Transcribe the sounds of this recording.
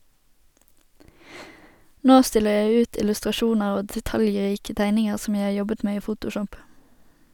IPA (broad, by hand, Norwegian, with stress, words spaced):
ˈnoː ˈstɪləʁ ˈjæɪ ˈʉːt ɪlʉstʁɑˈʃuːnəʁ ˈoː dɛˈtɑljˌʁiːkə ˈtæɪnɪŋəʁ ˈsɔm ˈjæɪ ˈhɑː ˈjɔbət ˈmeː ˈiː ˈfuːtʊˌʃɔp